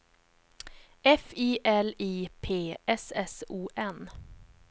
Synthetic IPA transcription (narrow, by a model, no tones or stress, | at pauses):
ɛfiːʔɛliːpʰeːɛsɛsuːʔɛn